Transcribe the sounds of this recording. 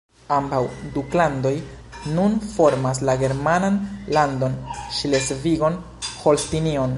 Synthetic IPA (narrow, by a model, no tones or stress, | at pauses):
ambawduklando̞j | nunfo̞ɾmas̬laɡe̞ɾmananlando̞nʃlesviɡo̞n | ho̞lstinion